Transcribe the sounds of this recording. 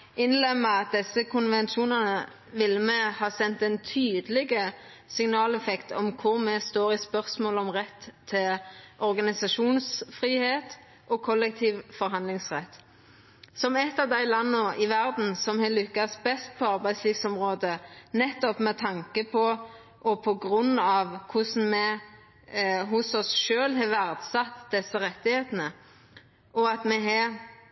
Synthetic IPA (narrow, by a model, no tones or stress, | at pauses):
ʔɪnlɛmːəɑt̪̚d̪ɛsːəkʰʊnʋɛnʃuːnɑnə | ʋɪlːəmɛhɑːsɛnt̪ɛnt̪ʰyːd̪əlɪɡə | sɪŋnɑːlɛfɛkt̪ʰɔ̰mkʰʊʁmɛst̪oːʁɪspœʁsmoːlɔmʁɛt̪ʰːɪlʔɔʁɡɑnɪsɑʃuːnsfʁiːheːt̪ | ʔɔkʰɔlːɛk̚t̪ʰiːʋfɔɾɦɑnd̪lɪŋsʁɛt̪ː | sɔmɛt̪ːɑːʋd̪æɪlɑnːəʔɪʋæɾd̪n̩sɔmhɛlʏkːɑst̪bɛst̪̚pʰɔɑʁbæɪsliːʋsɔmʁoːd̪ənɛt̪ːɔpmɛt̪ʰɑŋkəpʰɔ | ʔɔpʰɔɡʁʉnːɑʋkʰʊsn̩mɛ | ɦʊsɔsʃøːlɦɑʋæʁd̪sɑt̪ːd̪̥ɛsːəɾɛt̪ːɪheːt̪ənə | ʔɔɑt̪mɛɦɛ